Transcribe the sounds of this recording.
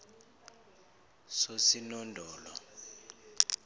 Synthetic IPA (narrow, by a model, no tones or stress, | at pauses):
sosinɔndʱɔːlɔ